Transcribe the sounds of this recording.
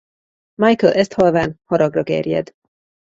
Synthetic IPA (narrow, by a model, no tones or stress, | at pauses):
majkɛlʔɛst̪hɒlvaːnhɒɾɒɡrɒɡɛ̰rjɛ̰d̪